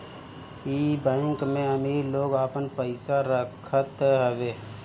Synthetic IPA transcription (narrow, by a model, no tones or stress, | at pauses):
iːbãɪŋkmẽəmiːɾloːɡaːpənpəɪsaɾəkʰət̪ɦəʋeː